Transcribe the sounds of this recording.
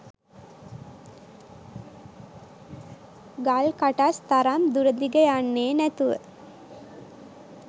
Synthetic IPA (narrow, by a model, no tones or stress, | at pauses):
ɡalkaʈast̪aɾamd̪uɾəd̪iɡəjanːeːnæt̪uʋə̰